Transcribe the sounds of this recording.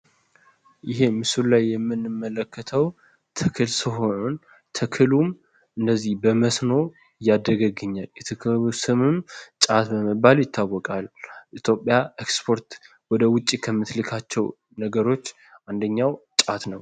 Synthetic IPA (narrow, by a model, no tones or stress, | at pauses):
jɪɦe̞mɨsullajːɛmːɨnːɨmːələkʰːət̪ʰəw | t̪ʰɨkʰɨlsɨɦo̞no̞n | t̪ʰɨkʰɨlum | ʔɨndəzːihbəməsno̞ | jːad̪ːəɡəɡɨɲːaljɛt̪ʰɨkʰɨsɨmɨmt͡ʃʼat̪bəməbaljɪt̪ʰːawːɔkʼalʔit̪ʰjo̞pʼjaekspʰo̞ɾt̪ | wɔd̪əwʊt͡ʃʼːikʰəmːɨt̪lɨkʰat͡ʃːɛw | nəɡəɾo̞t͡ʃː | ʔand̪əɲːawt͡ʃʼat̪nəw